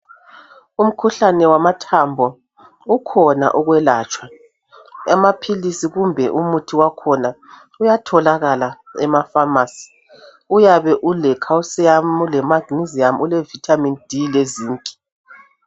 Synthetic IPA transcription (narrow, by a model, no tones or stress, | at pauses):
um̩kʰuɬanɛwamatʰambʱɔ | ukʰɔna̰ʔuɣwɛlaːt͡ʃʼwa | ɛmapʰilisiɣumbʱɛʔumutʰiwakʰɔna | ujatʰɔlaɣalaɛmafamasi̥ | ujaβɛʔulɛkʰawusiamulɛmaɡniziamulɛvitʰamind̥ʱileziːŋkʼi̥